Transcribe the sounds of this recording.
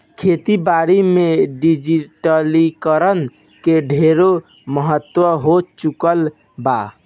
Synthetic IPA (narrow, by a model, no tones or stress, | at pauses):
kʰet̪ibaɾimeɖid͡ʒiʈəlikəɾən | keɖʱeɾo | məɦət̪wəɦot͡ʃukəl | ba